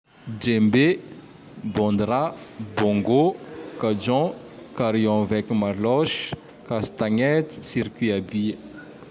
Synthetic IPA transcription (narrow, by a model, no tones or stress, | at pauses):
d͡ʒembe | bɔ̃nd̪ɾabɔ̃ŋɡokad͡ʒɔ̃ | kaɾiɔ̃vɛkimalɔʃ | kast̪aŋɛt̪i̥siɾkiabiə